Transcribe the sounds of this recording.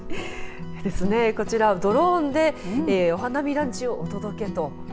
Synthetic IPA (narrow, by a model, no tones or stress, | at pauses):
d̪e̞sɨne̞ko̞t͡ɕiɾad̪o̞ɾond̪e̞o̞ɦanamʲiɾãɲ̟t͡ɕio̞ʔot̪o̞d̪o̞ke̞t̪o̞